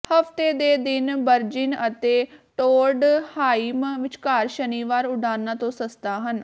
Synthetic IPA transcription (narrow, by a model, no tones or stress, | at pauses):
həft̪eːd̪eːd̪ɪnbəɾd͡ʒɪnət̪eːʈoːɾɖhaːiːmʋɪt͡ʃkaːɾʃəniːʋaːɾʊɖaːnːãːt̪õːsəst̪aːɦən